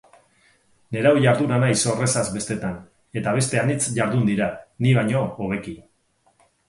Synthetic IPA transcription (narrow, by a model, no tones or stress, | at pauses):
ne̞ɾawʝaɾðunanajso̞re̞sazbe̞st̪e̞t̪an | e̞t̪aβ̞e̞st̪e̞anit͡sʝaɾðund̪iɾaniβ̞aɲo̞oɣ̞e̞ki